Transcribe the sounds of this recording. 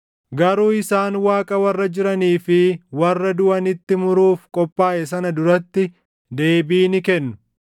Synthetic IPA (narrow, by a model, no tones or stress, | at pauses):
ɡɐɾuːɪsaːnwaːkʼɐwɐrːɐd͡ʒɪɾɐniːfɪwɐrːɐd̪ʊʔɐnɪt̪ːɪmʊɾuːfkʼɔpʼːaːʔɛs̬ɐnɐd̪ʊɾɐt̪ːɪ | d̪e̞ːbiːnɪkɛnːʊ̥